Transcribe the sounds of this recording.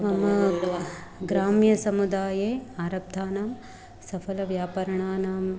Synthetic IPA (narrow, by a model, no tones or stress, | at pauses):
mɐmɐ | ɡɾaːmjɐsɐmud̪aːjeːaːɾɐp̚d̪ʱaːnaːm | sɐpʰɐlɐʋjaːpɐɾɐɳaːnaːm